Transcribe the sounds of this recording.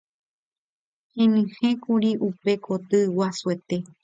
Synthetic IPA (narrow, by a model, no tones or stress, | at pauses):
hẽnɨ̃hẽkuɾiʔupe̞kʰot̪ɨwasuet̪e̞